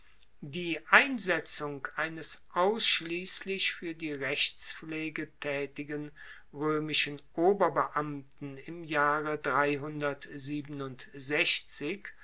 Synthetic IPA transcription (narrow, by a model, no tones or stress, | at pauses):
diːʔaɪnzɛt͡sʊŋkʔaɪnəsʔaʊsʃliːslɪçfyːɐdiːʁɛçt͡sfleːɡətʰɛːtɪɡən | ʁøːmɪʃənʔoːbɐbəʔamtn̩ɪmjaːʁədʁaɪɦʊndɐtziːbənʊntz̥ɛçt͡sɪk